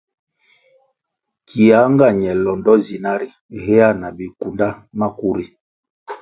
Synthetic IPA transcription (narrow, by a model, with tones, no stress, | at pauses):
kʰi˨a˨˦ŋɡa˦˨ɲɛ˨lɔ˨ndɔ˦zi˨na˦ɾi˨he˦a˦˨na˨bi˨ku˨nda˦na˦ku˦ɾi˦